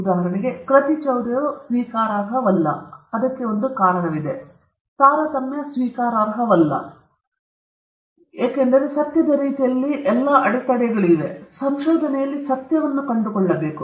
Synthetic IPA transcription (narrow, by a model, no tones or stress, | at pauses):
d̪aːɦɐɽɐneɡe̞kɾɐt̪it͡ʃɐwɾjɐusʋiːkaːɾaːɾɦɐʋɐlːɐ̰ɐd̪ɐkːe̞o̞nd̪ukaːɾɐɳɐʋid̪e̞ | t̪aːɾɐt̪ɐmːjɐsʋiːkaːɾaːɾɦɐʋɐlːɐ̰ | eːkend̪ɐɾe̞sɐt̪jɐd̪ɐɾiːt̪ijɐlːiʔɛlːɐʔɐɽɛt̪ɐɽɛɡɐɭiʋe̞sɐmʃoːd̪ʱɐnɛjɐlːisɐt̪jɐʋɐnːukɐɳɖukɔɭːɐbe̞ːku